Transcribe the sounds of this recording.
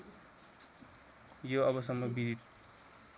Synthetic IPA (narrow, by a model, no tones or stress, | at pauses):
joʌβʌsʌmmobid̪i